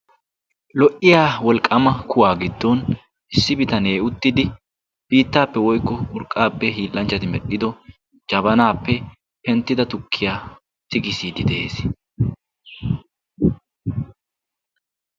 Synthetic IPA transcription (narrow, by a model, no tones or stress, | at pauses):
lɔʔɪjaːwɔlkʼːɐmɐkʊwaːɡɪd̪ːɔn | ʔɪsːɪbɪt̪ɐneːʊt̪ːɪd̪ɪ | b̥iːt̪ːaːpːɛwɔjkːɔʊɾkʼːaːpːɛɦiːlːɐnt͡ʃːɐt̪ɪmɛɗɪd̪ɔ | d͡ʒɐbɐnaːpːɛ | pɛnt̪ːɪd̪ɐt̪ʊkʰːɪjaː | tɪkɪsiːd̪ɪd̪ɛḛːs